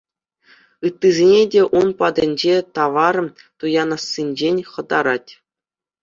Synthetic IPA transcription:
ɯt̪ːizʲenʲedʲeʔunpɑd̪ʲɘ̆nʲd͡ʑet̪ɑʋɑr | t̪ujɑnɑsːʲinʲd͡ʑenʲχɤ̆d̪ɑɾɑtʲ

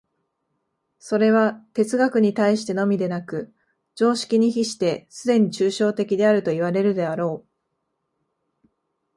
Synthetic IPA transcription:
so̞ɾe̞β̞at̪e̞t͡sɨɡakɯ̟ɲ̟it̪aiɕi̥t̪e̞no̞mʲid̪e̞nakɯ̟ | d͡ʑo̞ːɕi̥kʲiɲ̟içiɕi̥t̪e̞sɨd̪e̞ɲ̟it͡ɕɨːɕo̞ːt̪e̞kʲid̪e̞aɾɯ̟t̪o̞iβ̞aɾe̞ɾɯ̟d̪e̞aɾo̞ː

